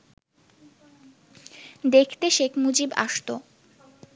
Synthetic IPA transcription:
d̪ekʰt̪eʃekʰmud͡ʑiba̰ʃt̪o

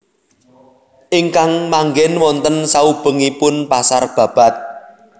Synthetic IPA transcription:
ʔiŋkaŋmaŋɡɛnwɔnt̪ənsaub̥ə̤ŋipʊnpasarb̥ä̤b̥a̤t̪̚

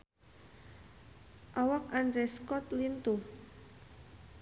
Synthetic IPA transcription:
ʔawak̚anɾɛskɔt̪lint̪u

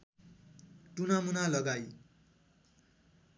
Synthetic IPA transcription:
ʈunamunalʌɡaj

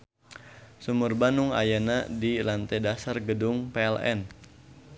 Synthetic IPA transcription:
sumurbanuŋa̰janadilant̪ɛdasarɡədʊŋpeɛlɛ̰n

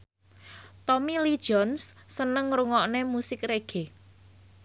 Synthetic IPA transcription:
t̪ɔmilid̥ʒ̥ɔnsːənəŋɾuŋɔʔnemusɪkreɡ̥e

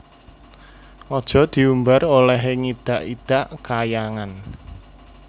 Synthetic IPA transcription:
ʔɔd̥ʒ̥ɔ̤d̪̥i̤umbarolɛɦeŋid̪̥a̤ʔid̪̥a̤ʔkajaŋan

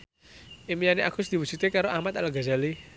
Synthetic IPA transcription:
imijaneakusd̪̥i̤wusut̪ekaɾoʔahmat̪alaɡazali

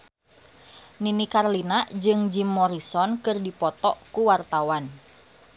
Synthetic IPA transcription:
ninikarlinaʔd͡ʒɨŋd͡ʒimːɔɾisɔnkɨrdipɔt̪ɔkuwart̪awan

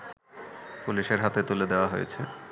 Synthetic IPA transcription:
puliʃeɾɦat̪et̪uled̪eoaɦojḛt͡ɕʰe

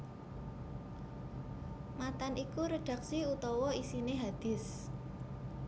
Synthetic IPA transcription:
mat̪anikuɾəɖ̥a̤ksiut̪ɔwɔisineɦad̪̥ɪ̤s

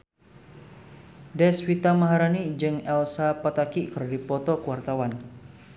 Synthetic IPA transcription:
dɛswit̪amaɦaɾanid͡ʒɨŋɛlsapat̪akikəɾdipɔt̪ɔkuwart̪awan

